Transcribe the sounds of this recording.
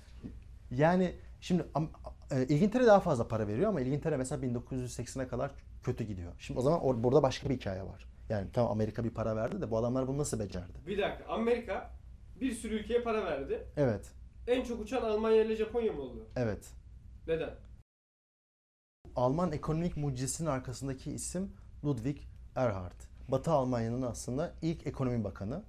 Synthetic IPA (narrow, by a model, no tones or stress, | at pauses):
jaːnɪʃimd̪ɪamɛːʔilʲɟint̪ʰeɾɛd̪aɦafazlˠapʰaɾave̞ɾijo̞amailɟint̪ʰeɾɛmselʲabind̪o̞kʰuzjyzsɛcsɛnɛkʰad̪aɾ | cʰø̞t̪ʰyɟid̪ijo̞̰ʃimd̪iozamanʔobuɾd̪abaʃkʰabiicʰa̰ːjɛ̰va̰ɾ̥ | jaːnit̪ʰamma̰me̞ɾikʰabipʰaɾavæɾd̪id̪ɛbuad̪amlˠaɾbununasɯlˠbed͡ʒæ̰ɾd̪ɪ̥bid̪akʰaʔamːeɾikʰa | biɾsyɾyylʲcʰe̞jɛpʰaɾavæɾd̪ɪevɛt̪ænt͡ʃʰokut͡ʃʰanalˠmanjailʲɛʒapʰo̞njamɯolˠujoevɛt̪ne̞d̪æn | alˠmane̞kʰo̞no̞micmud͡ʒzisinnaɾkʰasɯnd̪acʰiːsimlˠud̪vicæɾɦaɾt̪bat̪ʰɯalˠmanjanɯnɯaslˠɯnd̪ailʲcʰe̞kʰo̞o̞mibakʰanɯ